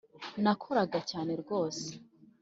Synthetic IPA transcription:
nakʰoɾaɡacaːne̞ɾɡo̞ːse̥

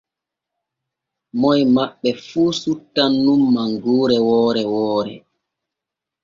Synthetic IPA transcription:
mɔjmaɓːɛfuːsutːanːumːaŋɡuːɾɛwɔːɾɛwɔːɾɛ̰

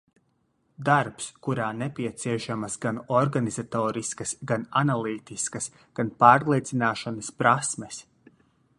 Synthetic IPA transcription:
d̪aɾpskuɾaːnepʲiɛt̪siɛʃamɐsɡanɔɾɡanizat̪oːɾiskɐsɡananalˠiːt̪iskɐs | ɡ̥anpaːɾlˠiɛt̪sinaːʃanɐspɾasmes

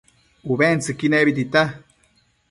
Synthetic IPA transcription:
uβent͡sɨkineβit̪̬it̪a

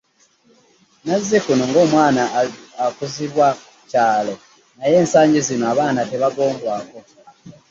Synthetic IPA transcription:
nazːekunoŋɡo̞ːmwaːnaakuziβwakucaːlo̞ | naje̞ːnsaːɲɟizinoaβaːnate̞βaɡo̞ːmbwaːko̞

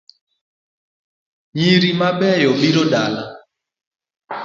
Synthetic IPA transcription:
ɲiɾimaɓɛjɔɓiɾɔɗala

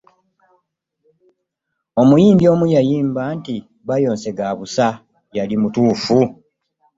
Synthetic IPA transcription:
o̞mujiːmbjo̞ːmujajiːmbaːnti | βajo̞ːnse̞ɡaːβusa | jalimutuːfu

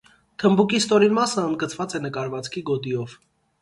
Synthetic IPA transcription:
t̪ʰəmbukist̪ɔɾinmɑsəənd̪̚ɡət͡sʰvɑt͡sɛnəkɑɾvɑt͡skʰiɡɔt̪ijɔv

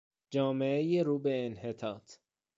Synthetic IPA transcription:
d͡ʒɒːmeʔejeɾuːbe̞ːnhet̪ʰɒːt̪ʰ

